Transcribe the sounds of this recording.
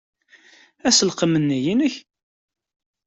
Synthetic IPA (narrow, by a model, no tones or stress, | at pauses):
æsəlqəmənːijinəç